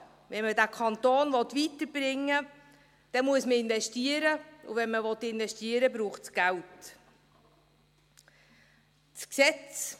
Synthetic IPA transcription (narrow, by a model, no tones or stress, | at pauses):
vɛnmədækʰɑnt̪oːnvɔtʋitəɾb̥ɾɪŋːə | d̥ɛmuəsməɪnvɛʃtiəɾəṵvɛnməʋɔt̪ɪnvɛʃtiəɾəbɾuːχt͡sɡ̥ælt | sksɛt͡s